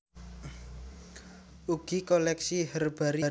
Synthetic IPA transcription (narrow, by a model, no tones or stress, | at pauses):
uɡ̥i̤kolɛksihərb̥a̤ɾi